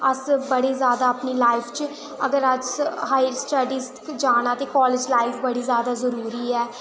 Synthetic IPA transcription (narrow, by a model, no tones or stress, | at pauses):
əsbəɽeːzjaːd̪aːpniːlaːɪpʰt͡ʃ | əɡəɾəd͡ʒɦaːɪjəɾsʈəɖiːsʈkd͡ʒaːñãːt̪eːkɔːlɪd͡ʒlaːɪfʰbəɽiːzjaːd̪aːzəɾuːɾiːɛː